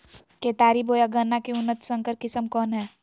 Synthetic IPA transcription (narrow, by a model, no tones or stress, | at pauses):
keːt̪aːɾiboːjaɡənːakeʊnːət̪sə̃ŋkəɾkɪsəmkɔːnɦɛː